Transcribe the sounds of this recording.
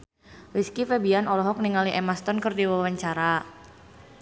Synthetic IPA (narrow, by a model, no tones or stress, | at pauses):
riskifebianɔlɔɦɔk̚niŋaliʔɛmast̪ɔnkərdiwawaɲt͡ʃaɾa